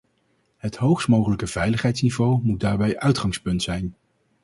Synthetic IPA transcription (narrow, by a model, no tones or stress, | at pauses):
ɦətɦowχstmowχələkəv̥ɛjləχɦɛjtsnivowmut̚daːɹbɛjʔœɥtχɑŋspɵntsɛjn